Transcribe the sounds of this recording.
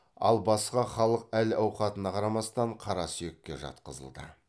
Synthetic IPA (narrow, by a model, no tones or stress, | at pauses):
ɑ̰lˠbɑsqɑχɑlˠəq̚ælɑwqɑt̪ənɑqʰɑɾɑmɑst̪ɑɴqʰɑɾɑsʏje̞kʲːe̞ʒɑ̰t̪̚qəzə̰lˠd̪ə̰